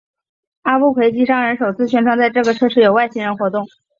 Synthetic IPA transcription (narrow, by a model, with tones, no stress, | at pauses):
a˥pu˥˩kʰwe˧˥ɪt͡ɕi˧˥ʂɑ˥ŋɻə˧˥nʂo˨˩ʊt͡sʰɹ̩˥˩ɕʰɥɛ˥nʈ͡ʂʰwɑ˥ŋt͡sa˥˧ɪʈ͡ʂɤ˥˩ɡə˩ʈ͡ʂʰɤ˥˧ʂɻ̩˥˩jo˨˩ʊwa˥˩ɪɕi˥ɻə˧˥nxwɔ˧˥t̪ʊ˥˩ŋ